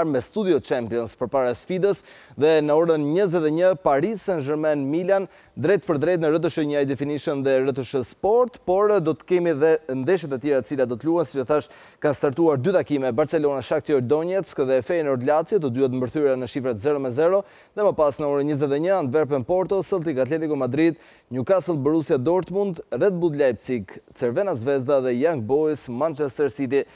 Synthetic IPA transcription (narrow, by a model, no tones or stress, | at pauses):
ɾmɛst̪ud̪iɔt͡ʃɛmpijɔnspəɾpaɾasfid̪əs | ðɛnəɔɾənɲəzɛt̪ɛɲəpaɾisənʒəɾmɛnmilan | d̪ɾɛt̪pəɾd̪ɾɛt̪nəɾət̪̬əʃəɲəajd̪ɛfiniʃənðɛɾət̪əʃəspɔɾt̪pɔɾd̪ɔt̪ə̥kɛmiðɛnd̪ɛʃ̬ət̪ɛt̪jɛɾat̪ət͡silad̪ɔt̪əluhɛnsit͡ʃɔθaʃ | kanst̪aɾt̪uaɾd̪yt̪akimɛbaɾt͡sɛlɔnaʃak̚t̪iɔd̪ɔɲɛt͡skðɛfɛjnɔɾt̪lat͡sjɛt̪əd̪uhɛt̪mbəɾθyɾanəʃifɾat̪zɛɾɔmɛzɛɾɔ | ðɛməpasnəɔɾənɲəzɛt̪ɛɲəand̪vɛɾp̬ənpɔɾt̪ɔsəlˠt̪̬ikat̪lɛt̪ikɔmad̪ɾid̪̚ | ɲukasəlˠbəɾusiad̪ɔɾt̪mund̪rɛt̪̚bud̪lajp̚t͡sikt͡sɛɾvɛnazvɛzd̪aðɛjaŋɡ̚bɔismant͡ʃɛst̪ɛɾsit̪̬i